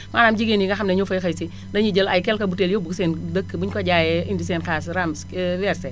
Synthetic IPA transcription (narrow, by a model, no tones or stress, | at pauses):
maːnamd͡ʒiɡeniɡaxamnɐɲofojxɐjsi | daɲid͡ʒəlajkɛlkabuteljobuksendəkːbuɲkoɟajɛindisenkas̬ɾamswɛɾsɛ